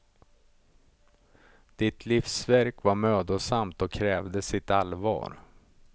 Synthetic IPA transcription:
d̪̥ɪt̪ʰlifsvæɾkvaɾmøːd̪əsamt̪ɔkʰːɾɛːvd̪əsɪt̪alvɑ̰ːɾ

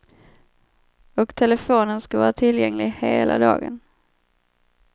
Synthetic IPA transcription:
ɔkt̪ʰɛləfoːnənskavɑːɾat̪ʰɪljɛŋlɪɡheːlʔa̰d̪ɑ̰ːɡə̰n

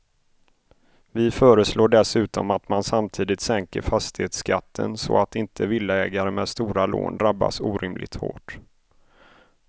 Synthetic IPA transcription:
vɪfœːɾəsloːɖɛsʉ̟ːt̪ɔmat̪mansamt̪ʰiːd̪ɪt̪sɛŋkəɾfast̪ɪheːt̪skʰat̪ʰːə̰nsɔ̰at̪ɪnt̪ʰəvɪlːaɛːɡaɾəmɛːd̪st̪uːɾalo̰ːnd̪ɾabːa̰suːɾʔɪmlʔɪ̰ɡ̚t̪ho̰ːʈ

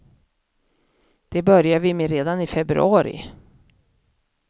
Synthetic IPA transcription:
d̪̥ɛbœɾjaɾvɪmeːɾeːd̪anɪfɛbɾɵ̰ɑːɾɪ̰

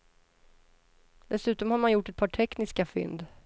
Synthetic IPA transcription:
d̪̥ɛsʉ̟ːt̪ɔmhaɾmanjʊʈːɛt̪̚pʰɑːʈʰɛknɪskafʏ̰nd̪

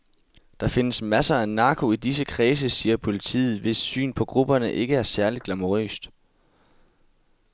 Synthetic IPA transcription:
d̥ɑ̈fe̝nəsmæsɐænɑ̈kʰo̝id̥is̬əkʰʁɛːs̬əsiːɐpʰo̝lit͡sʰḭːð̞̩ˠʋe̝sːy̰ːnpʰɒ̽ɡ̥ʁub̥ɐnəʔe̝ɡ̥əæɐsæɐlid̥ɡ̥lɑmoʁø̰ːsd̥

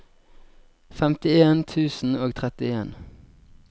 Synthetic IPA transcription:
fɛmt̪ɪeːnt̪ʰʉːsn̩oːɡt̪ʰʁɛt̪ɪeːn

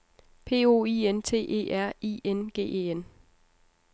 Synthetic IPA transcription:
pʰe̝̰ːo̝̰ːiːent͡sʰe̝̰ːʔe̝̰ːʔæɐ̰ḭːenɡ̥e̝̰ːʔe̝̰ːen

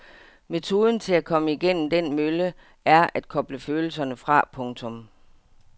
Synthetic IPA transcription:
me̝t͡sʰo̝ːð̞ˠn̩t͡sʰe̝lækʰɒ̽məiɡ̥en̰m̩d̥enmølə | æɐʔæd̥kʰɒ̽b̥ləføːl̩sɐnəfʁɑ̈pʰɔ̽ŋt͡sʰɔ̽m

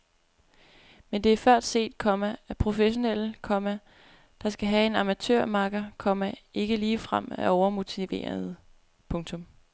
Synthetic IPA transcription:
mend̥e̝æɐfɶɐ̰d̥se̝̰ːd̥̚kʰɒ̽mææpʰʁo̝feɕo̝nel̰kʰɒ̽mæ | d̥ɑ̈sɡ̥æɦæe̝nɑ̈mæt͡sʰøɐ̰mɑ̈ɡ̥ɐkʰɒ̽mæe̝ɡ̥əliːfʁam̰æɒʊɐmo̝t͡sʰiʋe̝̰ːɐð̩ˠ | pʰɔ̽ŋt͡sʰɔ̽m

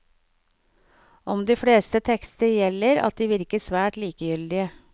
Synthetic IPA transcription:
ʔɔmd̪ɪːfɽeːst̪ət̪ʰɛkst̪əjɛlːəɾɑ̰t̪̚d̪iːʋɪɾkəsʋæːʈliːkəjʏld̪ɪə

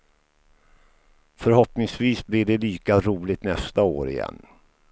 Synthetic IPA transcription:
fœɾɦɔpnɪŋsviːsblɪɖɛliːkaɾuːlɪt̪nɛst̪ao̰ːɾɪ̰jɛ̰nː

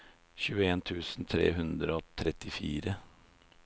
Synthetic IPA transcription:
çʉːəeːnt̪ʰʉːsn̩t̪ʰɾḛːɦʉnd̪ɾəoːt̪ʰɾɛt̪ɪfḭːɾə

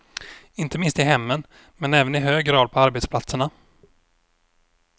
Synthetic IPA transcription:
ɪnt̪əmɪnst̪ɪɦɛmːən | mɛnɛːvənɪɦøːɡɾɑːd̪̚pʰɔaɾbeɛt̪splat̪səɳa

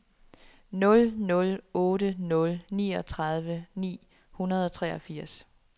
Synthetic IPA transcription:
nɔ̽lnɔ̽lɔ̽ːɾənɔ̽lniːɒ̽t͡sʰʁɑ̈ð̞ˠʋənḭː | hunɐð̞ˠɒ̽t͡sʰʁɛːɒ̽fiɐ̰s

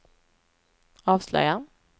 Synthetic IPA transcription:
ɑːvslœ̰jan

